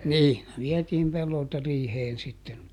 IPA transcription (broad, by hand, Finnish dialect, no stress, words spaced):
ni ʋiɛtiːm pelːoltɑ riːheːn sitːen